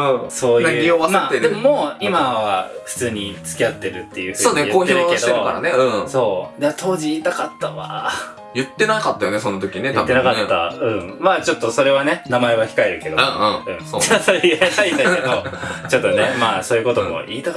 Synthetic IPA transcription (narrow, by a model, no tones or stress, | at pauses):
ɯ̃so̞ːjaɯːioβamaːt̪ːeɾemomoimaβaɸɯ̟̥t͡sɨːɲ̟it͡sɨ̥kʲiat̪ːe̞ɾɯ̟t̪ːe̞jɯ̟ːɯsoːneioeiɾɯeɕd̪t̪eɯka̰ɾa̰neɯ̟̃so̞ːd̪et̪ʰo̞ːʑiiːt̪akat̪ːaβa̰ | jɯ̟t̪ːe̞nakat̪ːajonesonot̪okʲinetjɯat̪ːenakat̪ːa̰ɯ̟̃ɴmaːt͡ɕo̞t̪ːo̞so̞ɾe̞βane̞namae̞βaçʲi̥kae̞ɾɯ̟ke̞d̪o̞ɯ̃ɯ̟̃ɴsoasoɾet̪ait̪aked̪ot͡ɕo̞t̪ːonemaːso̞ːjɯ̟ko̞t̪o̞mo̰ʔiːt̪ak